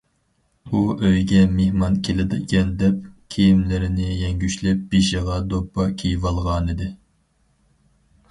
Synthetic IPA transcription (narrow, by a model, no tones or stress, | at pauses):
uʔøjɡʲɛmehmɑnkʲʰelɪd̪ɪkʲʰɛnd̪ɛp̚kʲʰejimlɪɾɪnɪjɛŋɡʲyʃlɛp̚biʃiʁɑd̪opːɑkʲʰejvɑlˠʁɑːnɨd̪ɪ